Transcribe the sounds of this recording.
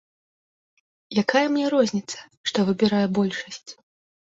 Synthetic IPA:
jakajɐmnʲɛɾɔzʲnʲit̪sɐ̥ʂt̪ɔvɨbʲiɾajɛbɔlʲʂɐsʲt͡sʲ

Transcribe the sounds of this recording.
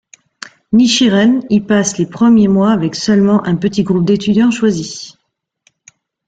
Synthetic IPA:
niʃiʁɛnilpaslepχəmjemwaːvɛksœlmɑ̃ʔɛ̃pət̪iɡʁup̚d̪et̪yd̪jɑ̃ʃwazi

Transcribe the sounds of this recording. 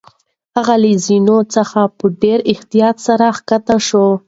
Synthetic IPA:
haɣalizinot͡səxapəɖeɾɪht̪ijɑt̪saɾaxkat̪aʃo

